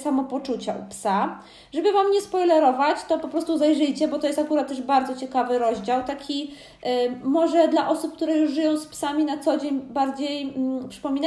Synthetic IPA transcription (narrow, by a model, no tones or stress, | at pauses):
samɔpɔt͡ʂut͡ɕaʔṵpsa | ʐɛbɘvamɲɛspɔjlɛɾɔvat͡ɕt̪ɔpɔpɾɔst̪uzajʐɘjt͡ɕɛbɔt̪ɔjɛst̪akuɾat̪ːɛʐbaɾd̪zɔt͡ɕɛkavɘɾɔʑd͡ʑawt̪akʲi | mɔʐɛd̪laʔɔsup̚k̚t̪uɾɛjuʐʐɘjɔ̃w̃spsamʲinat̪sɔd͡ʑeɲbaɾd͡ʑej̩pʂɘ̥pɔmʲina